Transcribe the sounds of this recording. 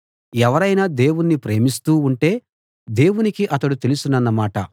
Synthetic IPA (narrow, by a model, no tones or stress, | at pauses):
ɛʋɐɾɐjnaːd̪e̞ːwunːipɾe̞ːmist̪uːuɳʈe̞ː | d̪e̞ːwunikiʔɐt̪ɐɽut̪e̞lusunɐnːɐmaːʈɐ